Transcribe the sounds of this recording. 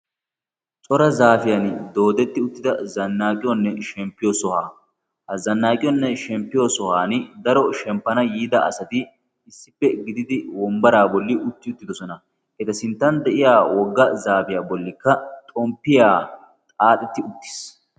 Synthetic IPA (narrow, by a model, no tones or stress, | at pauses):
t͡sʼɔɾɐzaːfɪjɐnd̪o̞ːd̪ɛt̪ːɪʊt̪ːɪd̪ɐzɐnːaːkʼɪjɔnːɛʃɛmpːɪjɔsɔhaː | hɐzɐnːaːkʼɪjɔnːɛʃɛmpːɪjosɔhaːnd̪ɐɾɔʃɛmpːɐnɐjiːd̪ɐʔɐ̰sɐt̪ɪ | ɪsːɪpːɛɡɪd̪ɪd̪ɪwɔmbɐɾaːbɔlːɪʔʊt̪ːɪʊt̪ːɪd̪ɔsɔnɐ | ʔɛt̪ɐsɪnt̪ːɐnd̪ɛʔɪjaːwɔɡːɐzaːfɪjaːbɔlːɪkːɐt̪ʼɔmpːɪjaː | t̪ʼaːt̪ʼɛt̪ːɪʊt̪ːɪ̥s